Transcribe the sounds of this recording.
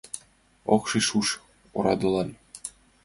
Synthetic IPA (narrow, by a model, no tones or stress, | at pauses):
oχʃiʃuʃ | oɾɑd̪ɤ̆lˠɑn